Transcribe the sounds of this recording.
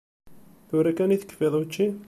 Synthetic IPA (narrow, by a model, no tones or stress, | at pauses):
θʊɾækæniθə̥kːfeðˤut͡ʃːi